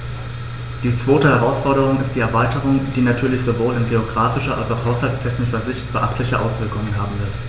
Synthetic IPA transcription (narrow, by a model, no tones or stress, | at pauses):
d̥iːt͡sv̥oːtəhɛʁ̞aʊsfɔɐɾəʁ̞ʊŋɪst̚d̥iːɛɐvaɪtəʁ̞ʊŋd̥iːnatʰyːɐlɪçz̥ovoːlɪnɡeoɡʁaːfɪʃɐʔa̰lsaʊχhaʊshalt͡stʰɛçnɪʃɐzɪçtb̥əʔaχtlɪçəʔa̰ʊsv̥ɪɐkʊŋənɦaːbm̩vɪɐt